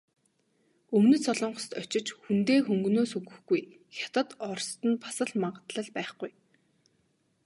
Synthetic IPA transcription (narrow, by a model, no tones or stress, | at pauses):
ɵmnɵ̆sɔɮɞ̆ɴɢɞ̆st̪ɔt͡ɕɪ̆t͡ɕxunt̪eːxɵŋɡɵ̆noːsɵɣɵ̆xɡuj | xʲjat̪ə̆t̪ɔrst̪ə̆npʰḁsə̆ɮmaʁə̆t̪ɮə̆ɮpæːχɡuj